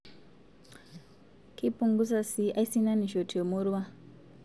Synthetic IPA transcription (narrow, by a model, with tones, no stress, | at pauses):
kʰi˦pu˨ŋɡu˦sa˨si˦ai˦si˦na˦ni˨ʃo˨tʰi˨jo˨muɾuwa˦